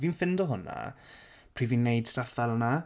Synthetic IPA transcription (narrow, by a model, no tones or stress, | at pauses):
viːnfɪndɔɦʊna̰ | pʰr̥iːviːnːejd̥staθvɛlˠna